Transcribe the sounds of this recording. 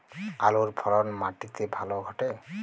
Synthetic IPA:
aluɹbʰʱɔɾɔnmaʈit̪ebʱalɔɡʱɔʈe

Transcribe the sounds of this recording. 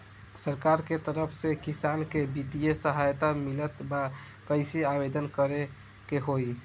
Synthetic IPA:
səɾkaɾket̪əɾəpʰsekisankebid̪ijesəɦajt̪amilət̪ba | kəɪsiabed̪ənkəɾe | keɦoj

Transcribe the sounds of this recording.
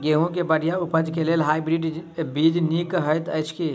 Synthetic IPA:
ɡeɦũk̬ebəɽijaʊpəd͡ʒkeleːlɦaːibɾiɖbiːd͡ʒnikɦəjt̪əɪt͡ʃʰki

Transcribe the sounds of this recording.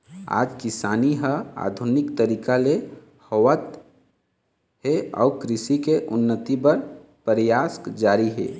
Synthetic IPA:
a̰ːd͡ʒkɪsaːniɦəa̰ːd̪ʱʊnɪkt̪əɾiːkale | hɔwət̪ | ɦeɔ̰ːkɾɪʃikeʔʊnːət̪ipəɾpəɾjaːskd͡ʒaːɾiɦɛ̰ː

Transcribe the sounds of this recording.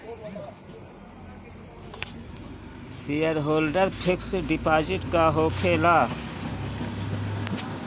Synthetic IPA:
sijəɾɦoːlɖəɾpʰɪksɖɪpaːd͡ʒɪʈkaɦoːkʰeːlaː

